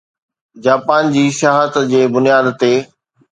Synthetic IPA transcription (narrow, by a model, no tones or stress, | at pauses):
d͡ʑaːpaːnd͡ʑiːʃaɦət̪d͡ʑeːbʊnijaːd̪t̪eː